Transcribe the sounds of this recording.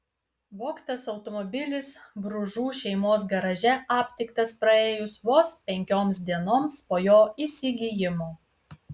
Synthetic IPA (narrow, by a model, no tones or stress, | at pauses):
ʋoːkt̪ɐsɐʊt̪ɔmɔbʲɪlʲɪsbɾʊʒuːʃʲɛɪmoːs̬ɡɐɾɐʒʲɛɑːpʲt̪ʲɪkt̪ɐspɾɐeːjʊsʋoːspʲɛŋʲkʲoːmsd̪ʲiɛnoːmspoːjoːiːsʲɪɡʲijɪmoː